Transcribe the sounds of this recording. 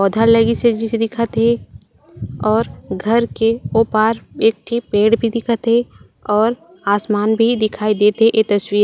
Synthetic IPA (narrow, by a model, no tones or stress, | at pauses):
ɔːd̪ʱaləɡised͡ʒised̪ɪkʰət̪ɦe | ɔːɾɡʱɐɾkeoːpaːɾeːk̚ʈʰipẽːɽbʱid̪ɪkʰət̪ɦe | ɔːɾ | aːsmaːnbʱid̪ɪkʰaːid̪eːt̪ɦeʔet̪ɐswiːɾ